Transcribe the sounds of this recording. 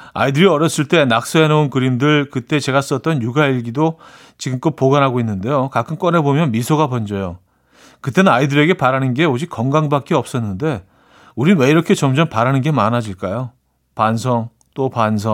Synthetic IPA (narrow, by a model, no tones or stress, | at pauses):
a̰idɯɾiʌɾjʌs͈ɯɭt͈e̞nak̚s͈ʌɦenounkɯɾimdɯɭkɯt͈e̞t͡ɕe̞ɣas͈ʌt̚t͈ʌnjuɡaiɭɡido | t͡ɕiɡɯmk͈ʌt̚poɡanɦaɡoinːɯnde̞jokakʰɯmk͈ʌnɦe̞bomjʌnmisʰoɡapʌnd͡ʑʌjo | kɯt͈e̞nɯnaidɯɾe̞ɡe̞paɾanɯnɡe̞od͡ʑik͈ʌŋɡaŋbak͈eʌp̚s͈ʌnːɯnde̞ | uɾiwe̞iɾʌkʰe̞t͡ɕʌmd͡ʑʌmpaɾanɯnɡe̞manɦad͡ʑiɭk͈ajo | pansʰʌŋ | t͈opans̬ʰʌ